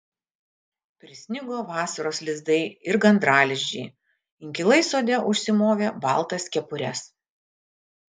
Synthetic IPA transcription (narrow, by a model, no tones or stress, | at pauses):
pʲɾʲɪsʲnʲɪɡoːʋɑːsɐɾoːslʲɪzd̪ɐɪɪɾɡɐnd̪ɾɑːlʲɪʒʲd͡ʒʲɛ̰ɪ | ɪŋʲkʲɪlˠɐɪsoːd̪ʲɛʔʊʃʲsʲɪmoːʋʲeːbɑ̰ˑlˠt̪ɐskʲɛpʊɾʲɛs